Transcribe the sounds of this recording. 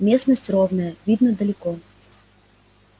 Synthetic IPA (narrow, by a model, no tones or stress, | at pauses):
mʲesnəsʲtʲrovnəjəvʲid̪nəd̪əlʲɪkɔ